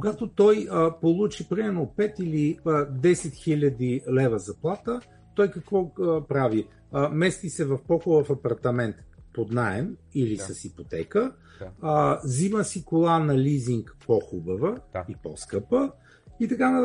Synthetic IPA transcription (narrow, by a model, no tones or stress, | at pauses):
koɡat̪ot̪ɔjəpolˠut͡ʃipɾimɛɾnopɛt̪ilid̪ɛsɛt̪xilʲɐd̪ilɛvəzɐplˠat̪ə | t̪ɔjkɐkvɔpɾavi | mɛst̪isɛvɐfpɔxubəfɐpɐɾt̪ɐmɛnt̪pod̪naɛnilisəsipot̪ɛkə | ziməsikolˠanɐliziŋkpɔxubəvəipɔ̰skəpə | it̪ɐkanə